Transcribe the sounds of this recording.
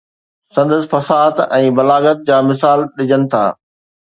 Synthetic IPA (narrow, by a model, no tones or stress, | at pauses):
sɐ̃nd̪əs̆fɐsaːt̪ɛ̃ːbɐlaːɡət̪̚d͡ʑaːmɪsaːlɗɪd͡ʑənɪ̆t̪ʰa̰ː